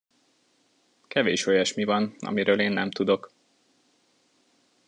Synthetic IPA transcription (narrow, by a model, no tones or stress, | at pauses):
kɛveːʃo̞jɒʃmivɒnɒ̰miɾøːleːnːɛmt̪ud̪o̞k